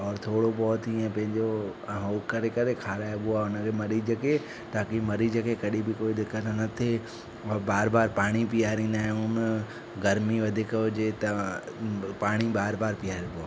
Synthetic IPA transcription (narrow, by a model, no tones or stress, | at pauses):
ɔːɾt̪ʰoːɽobɔːt̪iẽpɐ̃ɦɪ̃ɲd͡ʑoɦoːkɐɾekɐɾekʰaːɾaːjoɓʊaːʊnəkʰeːmɐɾid͡ʑəke | t̪aːkimɐɾid͡ʑəkekɐɗibɪkoːid̪ɪkːənnɐt̪ʰe | baːɾbaːɾpaːɽ̃ipijaːɾĩːn̆d̪aːɦɪ̃ʊnə | ɡɐɾmiʋɐd̪ʱikɦʊd͡ʑet̪ɐ | paːɽ̃ibaːɾbaːɾpijaːɾibʊaː